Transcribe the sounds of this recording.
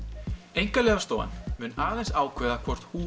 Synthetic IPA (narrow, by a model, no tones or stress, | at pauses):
ejŋkalɛːɣast̪oːwa̰nmʏnaːðensaːwkʰvɛːðakʰvɔr̥t̪huː